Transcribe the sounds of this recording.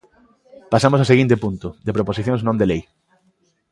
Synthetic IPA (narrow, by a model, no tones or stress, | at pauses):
pasamosaseɣint̪epunt̪ʊðepɾoposiθjõŋznõnd̪elej